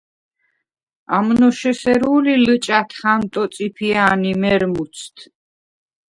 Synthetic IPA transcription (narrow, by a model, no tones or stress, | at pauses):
amnɔʃɛsɛɾuːlilɨt͡ʃʼat̪ʰχant̪ʼɔt̪sʼipʰianimɛɾmut̪sʰt̪ʰ